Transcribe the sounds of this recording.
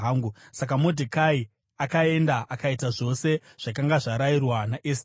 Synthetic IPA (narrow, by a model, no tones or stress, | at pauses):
aːŋɡusak̬amodʱikai | akae̞ndaʔakaitaʐo̞se̞ | ʐ̥akaŋɡaʐaɾairwanaʔes